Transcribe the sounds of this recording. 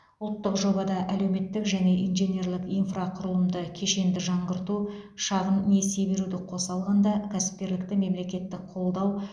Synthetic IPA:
ʊlˠt̪ːəqʒo̞bɑd̪ɑʔælewme̞t̪ːɪkʒæne̞ʔinʒe̞nʲe̞rlˠɪkijnfraqʰʊɾəlˠəmd̪əkʲʰe̞ʃe̞nd̪ɪʒɑɴʁəɾt̪u | ʃɑʁənnːe̞sebe̞ɾud̪ɪqʰo̞sɑlˠʁɑnd̪ɑkʲʰæsɪ̥p̚kʲe̞ɾlɪk̚t̪ɪme̞mle̞kʲe̞t̪ːɪkqʰo̞lˠd̪ɑw

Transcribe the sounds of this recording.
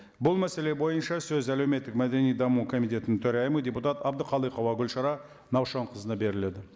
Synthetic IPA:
bʊlˠmæse̞le̞bo̞jənʃɑsɵzælewme̞t̪ːɪkmæd̪e̞nijd̪ɑmukʰo̞mijt̪ʲe̞t̪ɪnɪŋt̪ʰɵɾɑjɪmədʲe̞put̪ɑt̪ɑbd̪əqʰɑlˠəjqʰɑwɑɡʲʏlʃɑɾɑ | nɑwʃɑɴqʰəzənɑbe̞ɾɪle̞d̪ɪ

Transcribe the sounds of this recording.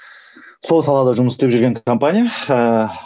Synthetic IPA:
so̞lˠsɑlˠɑd̪ɑʒʊmət̪d̪e̞pʒʏɾɡʲekompanʲija

